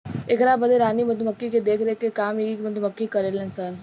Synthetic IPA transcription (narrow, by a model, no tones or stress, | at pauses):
ɪkɾaːbəd̪eɾaːnimɐt̪məkːiked̪eːkʰɾekekaːmiikmɐt̪uməkːikɐɾeːlə̃nsəɾ